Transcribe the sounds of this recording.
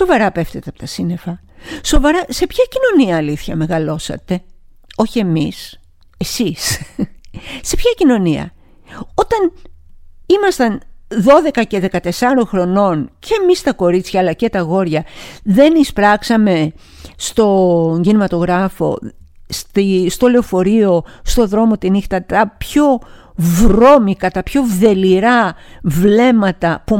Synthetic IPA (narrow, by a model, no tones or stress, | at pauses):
so̞vɐɾɐpe̞ft̪et̪eɐpot̪ɐsine̞fɐ | so̞vɐɾɐse̞pçɐcino̞niɐːliθçɐme̞ɣɐlo̞sɐ̰t̪e̞ | o̞çie̞mis | e̞sis | se̞pçɐcino̞niɐ̰ | o̞t̪ɐn | imɐst̪ɐnðo̞ðe̞kɐce̞ðe̞kɐt̪e̞sɐɾoŋxɾo̞no̞nce̞mist̪ɐko̞ɾit͡sçɐːlɐce̞t̪ɐɣo̞ɾʝɐðe̞nispɾɐksɐme̞ | st̪o̞ɲɟinimɐt̪o̞ɣɾɐfo̞̰ | st̪ist̪o̞leofo̞ɾio̞st̪o̞ðɾo̞mo̞t̪inixt̪ɐt̪ɐpço̞vɾo̞mikɐt̪ɐpço̞ðe̞liɾɐvle̞mɐt̪ɐpu